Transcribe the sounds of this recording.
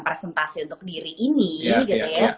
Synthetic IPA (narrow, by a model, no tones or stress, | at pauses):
ŋpɾesɛnt̪asiunt̪ʊk̚diɾiʔiniɡiuja